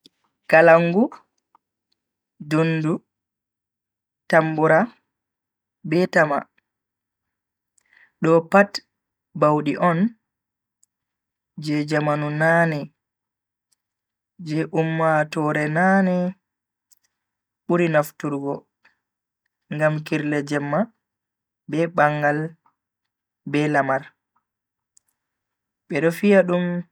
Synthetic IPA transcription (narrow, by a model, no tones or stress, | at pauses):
kalaŋɡu | dunːdu | tambuɾa | bɛtama̰ | ɗɔpat | bawɗiʔɔn | d͡ʒɛd͡ʒamanunaːnɛ | d͡ʒɛʔumːatɔɾɛnanɛ | ɓuɾinaftuɾɡɔ | ŋɡamkiɾlɛd͡ʒɛmːa | bɛɓaŋɡal | bɛlamaɾ | ɓɛɗɔfijaɗum